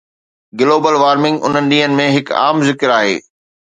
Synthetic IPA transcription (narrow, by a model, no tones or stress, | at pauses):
ɡɪloːbəlʋaːɾmɪ̃ŋɡʊ̰n̤ənɪ̆ɗĩːɦənɪ̆mẽɦɪka̰ːmzɪkɪɾaːɦḛː